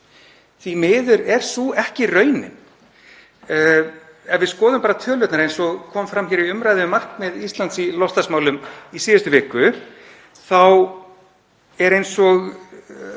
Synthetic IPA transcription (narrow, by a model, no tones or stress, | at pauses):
θimɪːðʏɾɛɾ̥suɛhcɪrœːɥnɪ̰ | ɛvɪðskɔːðʏmpaːɾat̪ʰœːlœt̪naɾejnsɔɣkʰɔːmfɾamçɛːɾiʏmɾajðʏɪmar̥kmɪðist̪lant̪silɔst̪asmaːwlʏmisiːðʏst̪ʏvɪːkʏ | θaw | ɛɾejnsɔɣ